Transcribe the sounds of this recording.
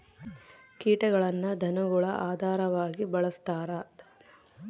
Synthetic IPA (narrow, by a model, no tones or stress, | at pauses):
kiːʈɐɡɐɭɐnːɐd̪ʱɐnɐɡuɭɐʔaːd̪ʱaːɾɐʋaːɡibɐɭɐst̪aːɾɐ